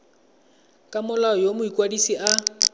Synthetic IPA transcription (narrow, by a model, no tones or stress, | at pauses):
kʼamʊlaɔjomʊikʼwadisiʔa